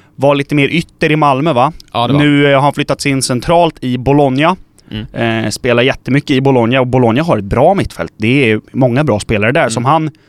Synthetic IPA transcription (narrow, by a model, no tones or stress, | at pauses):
vaɭiːt̪əmeːɾʔʏt̪ːəɾɪmalmœvaʉ̟ːhaɾanflʏt̪ːat̪sɪnːsɛnt̪ʰɾɑːlt̪ɪbʊlɔnja | speːlajɛt̪ːəmʏkːəɪbʊlɔnjaɔbʊlɔnjaɦaɾɛt̪̚bɾɑːmɪt̪ːfɛ̰lt̪̚d̪ɛæmɔŋːabɾɑːspeːlaɾəɖ̪æsɔmɦan